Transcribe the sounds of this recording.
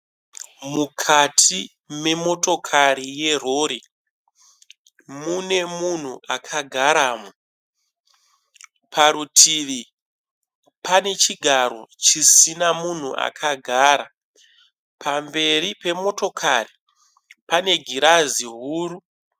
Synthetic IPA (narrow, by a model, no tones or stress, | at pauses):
mukʰatʰi | me̞mo̞to̞kʰaɾije̞ro̞ːɾi | mune̞mun̤uʔakʰaɡʱaɾaːmo | pʰaɾutʰiʋi | pane̞t͡ʃiɡʱaɾo̞̰t͡ʃisinamun̤ṵʔa̰kʰaɡʱaɾa | pʰambe̞ripe̞mo̞to̞kʰari | pane̞ɡʱiɾaziɦuːɾu